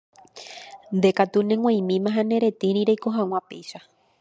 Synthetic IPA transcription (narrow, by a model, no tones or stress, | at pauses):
nd̪e̞kat̪unẽŋwãj̃mĩmãɦãne̞ɾe̞t̪ĩɾĩɾejkoɦãw̃ãpḛjʃa